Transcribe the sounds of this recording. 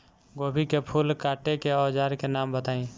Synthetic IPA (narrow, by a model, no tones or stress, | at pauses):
ɡoːbʱikepʰuːlkaːʈekeɔːd͡ʒaːɾkenaːmbət̪aːẽː